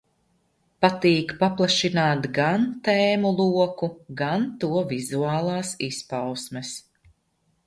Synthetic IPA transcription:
pat̪iːkpaplˠaʃinaːt̪ɡant̪ɛːmulˠuɔkuɡant̪uɔvizuaːlˠɑːsispawsmɛs

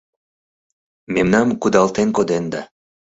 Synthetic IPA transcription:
memnɑmkud̪ɑlt̪enkod̪end̪ɑ

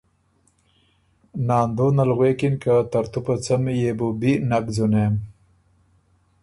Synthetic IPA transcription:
nɑːnd̪onalɣwekinkat̪aɾt̪upat͡samijebubinakd͡zunem

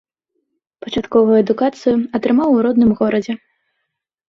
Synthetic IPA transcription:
pɐt͡ʂat̪kɔvɐjuɛd̪ukat̪sɨjuɐt̪ɾɨmawuɾɔd̪nɨmɣɔɾɐd͡zʲɛ

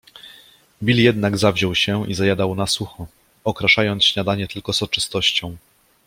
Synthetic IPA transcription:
bʲiljɛd̪naɡzavʑɔwɕɛizajad̪awnasuxɔ | ɔkɾaʂajɔnt̪sɕɲad̪aɲɛt̪ɘlkɔzɔt͡ʂɘst̪ɔɕt͡ɕɔ̃w̃

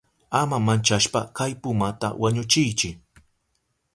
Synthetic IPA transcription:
amamant͡ʃaʃpakajpʊmat̪a̰waɲʊt͡ʃɪjt͡ʃɪ

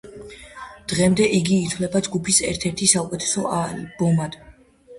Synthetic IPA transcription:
d̪̥ʁɛmd̪ɛʔiɡiːt̪ʰwvlɛbad͡ʒɡupʰisɛɾt̪ʰɛɾt̪ʰisaukʼɛt̪ʰɛ̥sɔalb̥ɔmad̪̥

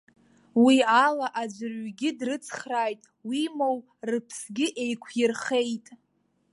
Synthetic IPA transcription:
wialaʔad͡ʒʷɨrɥɡʲɪdrɨt͡sʰχraːjtʼ | wimow | rɨpʰsɡʲɪʔe̞jkʷʰjɪrχe̞jtʼ

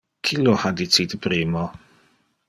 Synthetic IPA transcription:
kʰɪlɔhaditʰiːdəbɾiːmɔ

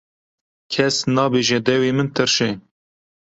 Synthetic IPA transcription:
kʲʰɛsnɑːbeːʒɛd̪ɛweːmɨnt̪ʰɨɾʃɛ

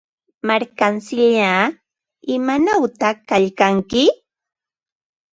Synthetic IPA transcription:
maɾkansɪʎaː | ɪmanawt̪akaʎkaŋkɪ

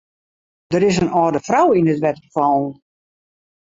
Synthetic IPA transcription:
d̥əɾɪs̬ənɔdəfrawindɪtʋɛtrəfɔːn

